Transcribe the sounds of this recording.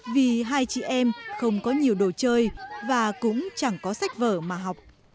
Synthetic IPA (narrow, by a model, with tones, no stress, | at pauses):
vi˨˩ɦaː˧jt͡ɕḭ˧˩ʔɛ˧mxə˧wŋ͡mkɔ˨˦ɲi˨˩əwɗo˨˩t͡ɕəː˧jvaː˨˩kʊ̰˧˥ŋ͡mt͡ɕa˧˩ŋkɔ˨˦sa˦˥jk̟̚vəː˧˩maː˨˩ɦa˨˩wk͡p̚